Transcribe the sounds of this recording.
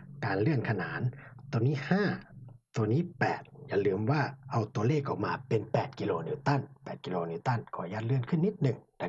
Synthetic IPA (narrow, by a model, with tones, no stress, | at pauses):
kaː˨nlɯ˥˩əŋkʰa˧naː˨˦nt̪o˧˦niː˧˥˨haː˧˥˩t̪u˧niː˧˥˨pɛː˨˩t̪̚ja˧˩lɯː˧˩mwaː˧˩ʔa˧wt̪u˧˦leː˧˥˨ka˨˧˩wmaː˧pe˨npɛː˨˩t̪̚ki˧loː˧ni˧˩t̪a˧˥˨npɛː˨˩t̪̚ki˧loː˧niː˧˩t̪a˧˥˨nkʰɔː˧˩˦jaː˧k̚lɯ˧˩ənkʰɯ˧˥˨nːi˦˥t̪̚nɯ˨˩ŋda˧